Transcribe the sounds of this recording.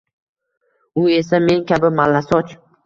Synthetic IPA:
ʊe̞same̞nkʲʰabɪmalːasɒt͡ʃ

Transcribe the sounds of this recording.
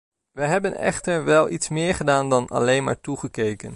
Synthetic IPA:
ʋəɦɛbənɛ̰χtəɹʋɛlˠʔitsmɪːɹχədaːndɑnɑ̰lejnma̰ːɹtuχəkejkən

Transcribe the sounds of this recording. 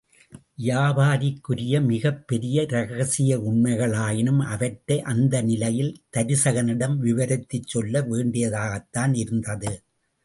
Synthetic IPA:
jaːʋaːɾɪkːʊɾɪjɐmɪɣɐpːɛɾɪjɐɾɐɣɐɣɐsɪjɐʊɳmɐɪɣɐɭaːjɪnɯmɐʋɐʈːɐɪʔɐnd̪ɐnɪlɐjɪlt̪ɐɾɪsɐɣɐnɪɽɐmʋɪʋɐɾɐt̪ːɪt͡ʃːɔlːɐʋeːɳɖɪjɐðaːɣɐt̪ːaːnɪɾɯnd̪ɐðɯ

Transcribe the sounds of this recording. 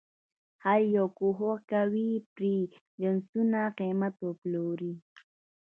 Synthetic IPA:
hajjokʊɦokawipɾi | ʎənsʊnaqeːmat̪oploɾi

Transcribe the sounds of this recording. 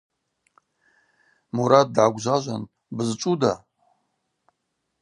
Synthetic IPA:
muɾat̚dʕaɡʷʑʷaʒʷa̰n | bɨzɨt͡ʃʼuda

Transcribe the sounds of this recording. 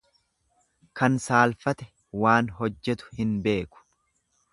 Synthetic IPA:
kɐnsaːlfɐt̪ɛ̥ | waːnɦɔd͡ʒːɛt̪ʊ̥hɪnbe̞ːkʊ̥

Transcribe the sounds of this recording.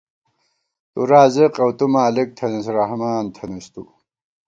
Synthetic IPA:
t̪uɾaːzɐqɐwt̪umaːlik̚t̪ʰɐnɐsɾɐhmaːnt̪ʰɐnɐst̪ṵ

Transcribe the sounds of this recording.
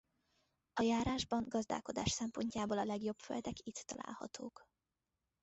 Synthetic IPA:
ɒjaːɾaːʒbɒŋɡɒzd̪a̰ːlko̞d̪aːʃsɛmpo̞ɲcaːboːlɒlɛɡjo̞bfø̰ld̪ɛkit̪ːɒla̰ːlhɒ̰t̪ʰoːk

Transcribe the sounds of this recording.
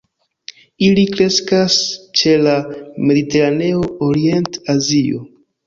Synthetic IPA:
ilikɾe̞skast͡ʃe̞lame̞dite̞ɾane̞o̞oɾie̞ntazio̞̰

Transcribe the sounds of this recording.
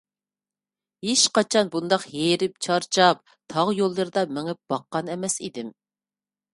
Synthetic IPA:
heʃqɑt͡ʃʰɑnbund̪ɑqjeɾɪp̚t͡ʃʰɑɾt͡ʃʰɑp̚ | t̪ʰɑʁjolˠːɨɾɨd̪ɑmɪŋɪp̚b̥ɑqːɑnɛmɛsḭd̪ɪm

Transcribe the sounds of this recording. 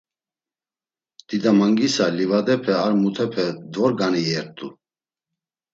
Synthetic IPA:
d̪̥id̪amaŋɡisalivad̪ɛpʰɛaɾmut̪ʰɛpʰɛd̪vɔɾɡaniɛɾt̪ʼu

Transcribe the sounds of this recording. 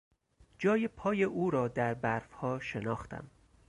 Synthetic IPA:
d͡ʒɒːjepʰɒːjeʔuːɾɒːd̪æɾbæɾfhɒːʃe̞nɒːxt̪ʰæ̰m

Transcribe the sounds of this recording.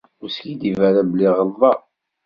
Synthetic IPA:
ʊskid̪ivæɾæbəlːiʁəlðˤɑ

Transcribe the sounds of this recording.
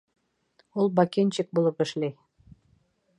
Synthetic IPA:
ulˠbɑkent͡ɕɘk̚bulˠɤpɘ̆ʃlæj

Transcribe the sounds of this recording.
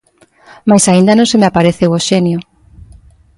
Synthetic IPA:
majsaind̪anõŋsemeapaɾeθewoʃenjo

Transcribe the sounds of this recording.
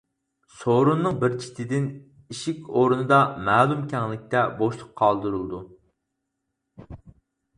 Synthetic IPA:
soɾunːɨŋbɪɾt͡ʃʰi̥t̪ʰɪd̪ɪn | iʃikʲoɾunɨd̪ɑmæːlˠumkʲʰɛŋlɪk̚ʲt̪ɛboʃlˠʊqʰɑlˠd̪ɨɾulˠd̪u

